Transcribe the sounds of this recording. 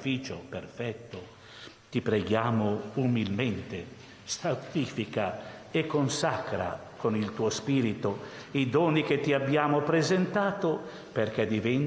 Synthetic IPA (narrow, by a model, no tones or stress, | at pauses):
fiːt͡ʃoperfɛt̪ːo | t̪ipɾeɡjaːmoumilment̪e | st̪at̪ifikaekːonsakɾa̰ | konilt̪uːospiːɾit̪o | id̪ɔːnik̟et̪ːiabːjaːmopɾezent̪aːt̪o | perk̟ɛd̪ivɛn